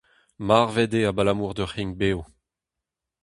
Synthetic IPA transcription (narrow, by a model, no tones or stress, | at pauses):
maʁvɛd̪eabalamuʁd̪œʁhiŋbeːw